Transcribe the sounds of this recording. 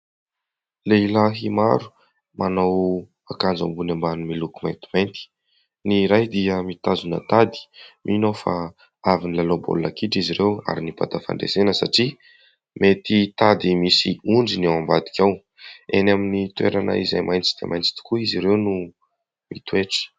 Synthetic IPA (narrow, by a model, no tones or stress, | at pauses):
leilaɦimaɾu̥ | manaw | akand͡za̰mbunambanumilukumajnt̪iment̪i̥ | niɾajd̪iəmit̪azunə̰t̪ad̪i̥mʔinofa̰ | avinilalobo̰lunakiʈ͡ʂiziɾewa̰ɾinipa̰t̪afa̰ɳɖ͡ʐḛzenəsaʈ͡ʂi | met̪it̪ad̪imisiuɳɖ͡ʐinawambad̪i̥kʲaw | enaminit̪ueɾanə̰iza̰jmʔajnt͡sid̪̥ḛmajnt͡si̥t̪u̥kuiziɾewnu | mit̪weʈ͡ʂə̥